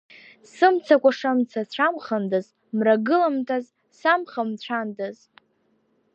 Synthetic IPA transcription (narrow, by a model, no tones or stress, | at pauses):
sɨmt͡sʰakʷʼaʂamt͡sʰat͡ɕʷʰamχandaz | mraɡɨlamtʰʼaz | samχamt͡ɕʷʰandaz